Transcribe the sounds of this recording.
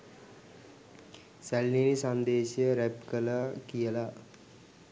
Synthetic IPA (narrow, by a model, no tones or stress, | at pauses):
sælninisand̪eːɕjəɾæpkəlakijəla